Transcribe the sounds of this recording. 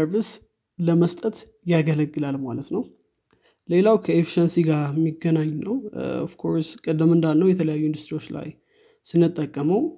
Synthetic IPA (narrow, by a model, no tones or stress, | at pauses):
əɾvis | ləməst̪ʼət̪ | jaɡələɡːɨlalmalət̪nəw | le̞lawkʰəefi̥ʃənsiɡaɾmiɡːənaɲːnəwɔ̰fkʰo̞ɾskʼəd̪ːɨmɨnd̪anːəwjɛt̪ʰələjajːuind̪ust̪ʼɾiwo̞t͡ʃːla̰j | sɨnːɨt̪ʼːəkʼːəməw